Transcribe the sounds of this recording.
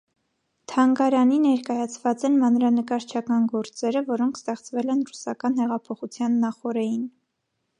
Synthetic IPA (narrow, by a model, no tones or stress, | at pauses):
t̪ʰɑŋɡɑɾɑninɛɾkɑjɑt͡sʰvɑt͡sɛnmɑnɾɑnəkɑɾt͡ʃʰɑkɑnɡɔɾt͡sɛɾəvɔɾɔŋkʰst̪ɛχt͡svɛlɛnrusɑkɑnhɛʁɑpʰɔχut͡sʰjɑnːɑχɔɾɛjin